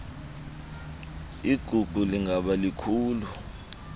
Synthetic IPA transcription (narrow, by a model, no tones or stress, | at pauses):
iɡ̥ʱuɡ̥ʱuliŋʱaɓalikʰuːlu